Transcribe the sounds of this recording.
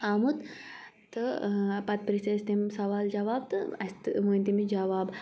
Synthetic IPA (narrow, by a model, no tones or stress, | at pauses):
aːmut̪ | t̪ːɨpɐt̪̚pɾisɐst̪emsɐʋaːld͡ʒɐʋaːb̚t̪ɨɐst̪ɨʋunʲt̪imid͡ʒɐʋaːb